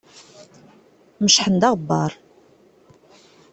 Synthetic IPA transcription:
məʃħənd̪ɑʁbːɑ̰ɾˤ

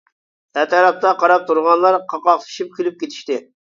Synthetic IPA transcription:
æt̪ʰɑɾɑp̚t̪ʰɑqʰɑɾɑp̚t̪ʰuɾʁɑnlˠɑɾqʰɑqɑqt̪ʰi̥ʃip̚kʲʰilyp̚kʲet̪ʰi̥ʃt̪ɪ

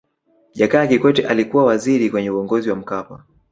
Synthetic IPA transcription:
ʄakaːkikwɛtɛʔalikuwawaziɾikwɛɲɛuɔŋɡɔziwam̩kapa̰

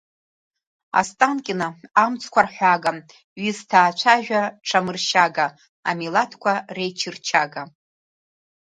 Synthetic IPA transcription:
a̰stʼankʲʼɪnaamt͡sʰʼkʷarħʷaɡa | ɥiztʰaːt͡ʃʷʰaʒᶣaʈ͡ʂʰamɨrʃaɡa | a̰milatʰkʷʰarejt͡ʃʰɪrt͡ʃʰaɡa

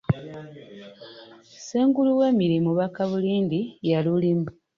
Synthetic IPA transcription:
seːŋɡuluwe̞ːmiɾimuβakaβuliːndijalulimu

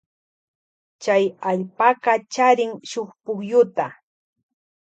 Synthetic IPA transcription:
t͡ʃajaʎpaɢɑt͡ʃaɾɪŋʃoχpʊχjʊt̪a

